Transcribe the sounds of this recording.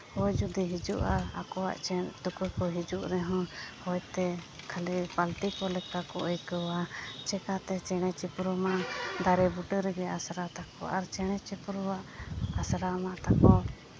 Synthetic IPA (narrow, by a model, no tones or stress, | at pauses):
hɔjd͡ʒud̪iɦid͡ʒuʔaakɔwa̰ʔt͡ʃɛnt̪ukukɔɦid͡ʒuʔɾɛɦɔ̃hɔjt̪ɛkʰalipalʈikɔlɛkakɔʔəjkəwat͡ʃɛkat̪ɛt͡ʃɛɽ̃ɛt͡ʃɛpɾumaʔd̪aɾɛbuʈəɾɛɡɛasɾat̪akɔ̰aɾt͡ʃɛɽ̃ɛt͡ʃɛpɾuwaʔasɾamaʔt̪akɔ